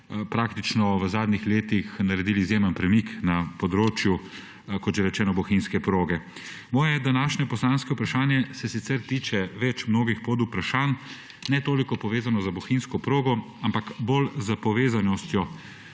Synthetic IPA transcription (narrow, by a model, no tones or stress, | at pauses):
pɾaːkt̪it͡ʃnɔʋəzaːd̪nixleːt̪ixnaɾɛd̪iːliːzjeːmənpɾɛmiknapɔd̪ɾoːt͡ʃju | kɔt̪ʒɛɾɛt͡ʃɛːnɔbɔxinskɛpɾoːɡɛ | mɔːjɛd̪anaːʃnʲɛpɔslanskɛupɾaʃaːnjɛsɛsit̪sɛɾt̪iːt͡ʃɛʋɛt͡ʃmnoːɡixpod̪upɾaʃaːn | nɛt̪oːlikɔpɔʋeːzanɔzabɔxinskɔpɾoːɡɔ | ampakbolzəpɔʋeːzanɔst̪jɔ